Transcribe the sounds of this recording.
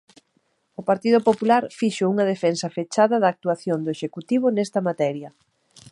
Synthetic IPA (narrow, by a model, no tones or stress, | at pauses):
ʊpaɾt̪iðʊpopulaɾfiʃouŋɐðefensɐfet͡ʃaðɐðaːk̚t̪uaθjond̪ʊeʃekut̪iβ̞ʊnɛst̪ɐmat̪ɛɾjɐ